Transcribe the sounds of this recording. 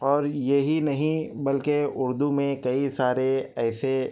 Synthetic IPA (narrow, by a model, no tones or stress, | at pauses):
ɔːɾjeɦinɐɦĩbɐlkeʊɾd̪umẽkɐisaːɾeɛːse